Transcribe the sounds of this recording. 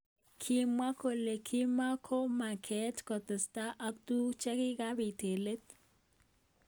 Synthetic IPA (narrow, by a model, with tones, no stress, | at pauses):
kʰi˦mwa˦ko˨le˨kʰi˦ma˦kʰo˦ma˨kʰe˨˦tkɔ˨t̪ɪ˨sta˦ʔa˦ktu˦t͡ʃɛ˦kɪ˦ɡa˦bi˨te˨le˦t̚